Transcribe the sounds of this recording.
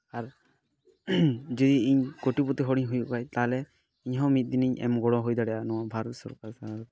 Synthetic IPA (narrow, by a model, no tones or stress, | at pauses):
aɾ | d͡ʒɔd̪iiɲkoʈipɔt̪iɦɔɽiɲɦujṵʔkajt̪alɛ | iɲɦɔmit̪̚d̪iniɲʔɛ̰mɡɔɽɔɦujd̪aɽɛʔanɔwabʱaɾɔt̪̚sɔɾkaɾsaaɾɔt̪